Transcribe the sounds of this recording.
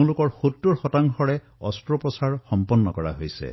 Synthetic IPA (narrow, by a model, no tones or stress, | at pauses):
lʊkɔɹxotːuɹxɔtaŋxʰɔɹɛ | ɔ̰stɹopɔsaɹxɔmpɔnːɔkɔɹa̰ɦojsɛ̰